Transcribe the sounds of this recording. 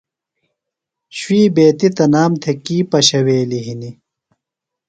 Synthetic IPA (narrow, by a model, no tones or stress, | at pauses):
ɕwiːbeːt̪it̪ɐnaːmt̪ʰekiːpɐɕɐweːliɦini